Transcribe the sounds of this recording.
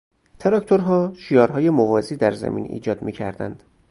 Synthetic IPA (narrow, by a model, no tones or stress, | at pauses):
t̪ʰeɾɒcʰt̪ʰoɾɦɒːʃiːjɒːɾɦɒːje̞movɒːziːd̪æɾzæ̰mḭnḭːd͡ʒɒːd̪miːcʰæ̰ɾd̪æ̰nd̪̥